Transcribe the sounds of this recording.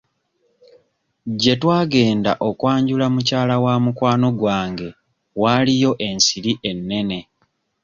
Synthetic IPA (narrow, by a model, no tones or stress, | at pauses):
ɟe̞twaːɡe̞ːnda̰ʔo̞kwaːɲɟulamucaːlawamukwaːno̞ɡwaːŋɡe̞ | walijo̞ʔe̞nsiɾiʔe̞nːe̞ne̞